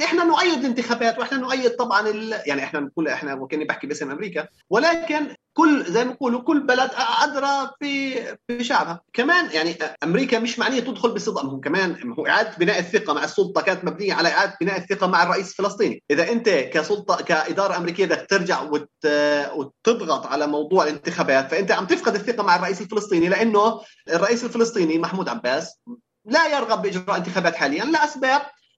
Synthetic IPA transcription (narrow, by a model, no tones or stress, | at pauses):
ʔɪħnanʊʔajːɪd̪ɪlɪnt̪ɪxaːbaːt̪wʔɪħnanʊʔajːɪd̪̚t̪ˤɑbʕɑnɪljaʕniʔɪħnanquːlʔɪħnawkɪnːibɪħkibʔɪsɪmʔamɾiːka | wɪlaːkɪnkʊlːzajːmaquːlukʊlːbalad̪ʔʔad̪ɾˤɑfifiʃaʕbhakamaːnjaʕniʔʔamɾiːkamɪʃmaʕnɪjːat̪ɪd̪xʊlbɪsˤɨd̪ʔɑmhʊmkamaːnhuːʔɪ̰ʕaːd̪at̪̚bɪnaːʔɪθːɪqamaʕɪsˤːʊlt̪ˤɑkaːnat̪mabnɪjːaʕalaʔɪʕaːd̪at̪̚bɪnæːʔɪθːɪqamaʕɑrˤːɑʔiːsɪlfɪlɑsˤt̪ˤiːniʔɪðaʔɪnt̪akasʊlt̪ˤɑkaʔɪd̪ɑːɾˤɑʔamɾiːkɪjːad̪akt̪ɪɾd͡ʒaʕwɪ | wt̪ɨd̪ˤɣɑt̪ˤʕalamɑwd̪ˤuːʕɪlɪnt̪ɪxaːbaːt̪faʔɪnt̪aʕamb̚t̪ɪfqɑd̪ɪθːɪqɑmaʕɑrˤːɑʔiːsɪlfɪlɨsˤt̪ˤiːnilɪʔanːʊ | ɨrˤːɑʔiːsɪlfɪlɨsˤt̪ˤiːnimaħmuːd̪ʕabːaːs | lajɪɾˤɣɑbːɪʔɪd͡ʒɾɾˤɑːʔɪnt̪ɪxaːbaːt̪ħaːlɪjːanlɪlʔasbaːb̚